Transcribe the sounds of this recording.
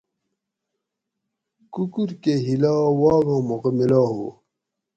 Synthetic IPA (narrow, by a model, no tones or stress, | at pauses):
kukuɾkeɦilaːwaːɣõːmoqəmilaːɦo̰ː